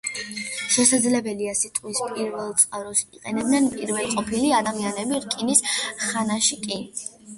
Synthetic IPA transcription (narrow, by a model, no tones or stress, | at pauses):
ʃɛsad̪zlɛbɛliasit̪ʼqʼwispʼiɾvɛlˠt̪sʼqʼaɾɔsḭqʼɛnɛbnɛnpʼiɾvɛlˠqʼɔpʰiliad̪amianɛbiɾkʼinisχanaʃikʼi